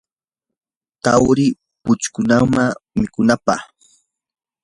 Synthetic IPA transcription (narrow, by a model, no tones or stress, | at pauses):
t̪awɾɪ | pʊt͡ʃkʊnaŋmamɪkʊnapɑ̰χ